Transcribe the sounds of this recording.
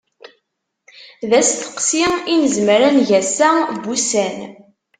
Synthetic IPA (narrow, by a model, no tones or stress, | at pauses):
ðæst̪ə̥qsiinəzmɾænʝæsæbusæn